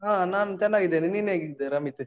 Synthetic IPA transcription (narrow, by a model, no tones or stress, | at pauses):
ɦaːnaːnt͡ʃɐnːaːɡid̪eːniniːneaːɡid̪eɾɐmit̪ːɯ